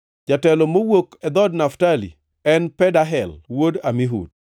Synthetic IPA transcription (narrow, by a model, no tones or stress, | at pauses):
d͡ʒatɛlɔmowokɛd̪ɔdnaftalḭ | ɛnpɛdaɦɛlwodamiɦṵd̚